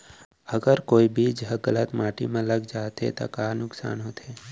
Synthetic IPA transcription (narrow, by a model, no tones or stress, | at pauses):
əɡəɾkoːibʱid͡ʒɦɡələt̪maːʈḭmẽləɡd͡ʒaːt̪ɦḛt̪a̰kaːnʊksa̰ːnɦoːt̪eː